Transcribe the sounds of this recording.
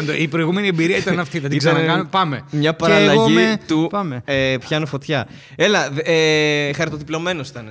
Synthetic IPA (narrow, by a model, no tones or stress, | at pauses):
nd̪oipɾo̞iɣume̞niembiɾiɐit̪ɐnɐft̪iðɐt̪iɡzenkɐnpɐmemɲɐpɐɾɐlɐʝit̪upepçɐnofo̞t̪çɐ | elɐexɐɾit̪o̞t̪iplo̞me̞nosi̥t̪ɐne